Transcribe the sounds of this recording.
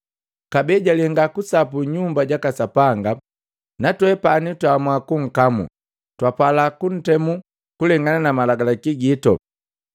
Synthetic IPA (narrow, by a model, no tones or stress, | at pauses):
kabɛɟalɛŋɡakusapuɲumbaɟakasapaŋɡa | natwɛpanitwamwakuŋ̩kamṵ | twapalakun̩tɛmu | kulɛŋɡananamalaɡalakiɡitɔ̰